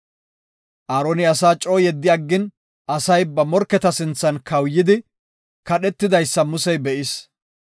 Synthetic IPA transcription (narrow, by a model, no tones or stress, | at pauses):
ʔaːɾoːnɪɐsaːt͡ʃʼo̞ːjɛd̪ːɪjɐɡːɪn | ʔɐsɐjbɐmɔɾkːɛt̪ɐsɪnt͡sːɐnkʰɐwjːɪd̪ɪ | kɐɗɛt̪ːɪd̪ɐjsːɐmʊsɛjbɛʔɪs